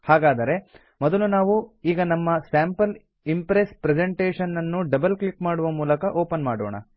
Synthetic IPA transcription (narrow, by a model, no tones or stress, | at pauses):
haːɡaːd̪ɐɾe̞ | mɔd̪ɐlunaːʋuiːɡɐnɐmːɐsaːmpɐl | impɾespɾed͡ʒeɳʈeːʂɐnːɐnːuɖɐbɐlklikmaːɽuʋɐmuːlɐkɐʔoːpɐnmaːɽoːɳɐ̰